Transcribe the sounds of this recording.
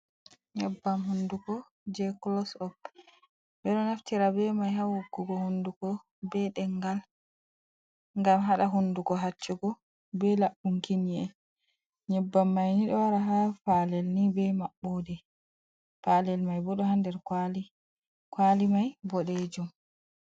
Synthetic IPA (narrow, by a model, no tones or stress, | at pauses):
ɲɛbːamɦundukɔ | d͡ʒɛklɔsɔk̚ | bɛɗɔnaftiɾabɛmajɦawuɡːuɡɔhundukɔ | bɛɗɛŋɡal | ŋɡamɦaɗaɦundukɔɦat͡ʃːuɡɔ | bɛlaɓːuŋkiniɛ̰ | ɲɛbːamːajniɗɔwaɾaɦafalɛlnibɛmaɓːodɛ | falɛlmajbɔɗɔɦandɛɾkali | kwalimajbɔɗed͡ʒum